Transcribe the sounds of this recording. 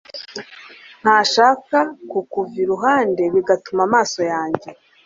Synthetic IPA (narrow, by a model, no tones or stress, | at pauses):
n̥haːʃaːkakukuviɾuɦaːnde̞βiɡatumamaːso̞jaːɲɟe̞